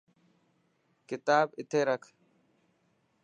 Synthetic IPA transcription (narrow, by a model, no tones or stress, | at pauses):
kɪt̪aːbɪt̪ʰeːɾəkʰ